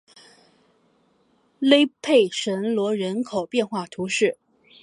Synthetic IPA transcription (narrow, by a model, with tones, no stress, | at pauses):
le˥ɪpʰe˥˩ɪʂə˧˥nlwɔ˧˥ɻə˧˥nkʰo˨˩ʊpjɛ˥˧nxwa˥˩t̪ʰu˧˥ʂɻ̩˥˩